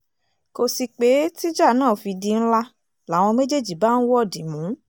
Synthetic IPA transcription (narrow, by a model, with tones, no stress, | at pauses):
ko˧si˧k͡pe˨˦ti˦d͡ʒa˦˨nãː˦˨fi˧di˧n̩˦la˦ | la˨˦˨w̃ɔ̃˧me˦d͡ʒe˦˨d͡ʒi˨ba˨˦n̩˦wɔ˦˨di˨˦mũ˨˦